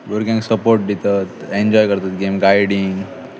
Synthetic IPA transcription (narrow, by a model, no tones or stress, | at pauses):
ʋəɾkãŋksəpoɾʈ̚d̪it̪at̪eɲd͡ʑɔjkəɾt̪at̪ɡemɡajɽiŋɡ